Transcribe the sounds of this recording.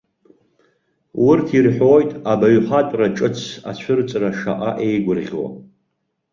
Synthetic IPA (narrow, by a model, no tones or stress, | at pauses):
wʊrtʰirħʷᶣojtʼabaɥħʷatʷʼraʈ͡ʂʼɨt͡sʰa̰t͡ɕʷʰʊrt͡sʼraʂa̰ʔaʔejɡʷʊrʁʲwa̰